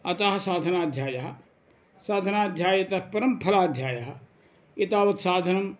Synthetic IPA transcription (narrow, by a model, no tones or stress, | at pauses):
ɐt̪aɦɐsaːd̪ʱənaːd̪ʱjaːjɐɦa | saːd̪ʱənaːd̪ʱjaːjet̪apɐɾəmpʰɐlaːd̪ʱjaːjɐɦɐ | ɪt̪aːʋɐt̪saːd̪ʱənɐm